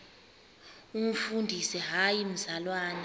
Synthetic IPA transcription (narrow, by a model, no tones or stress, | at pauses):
um̩fundʱisɛɦajim̩zalwaːna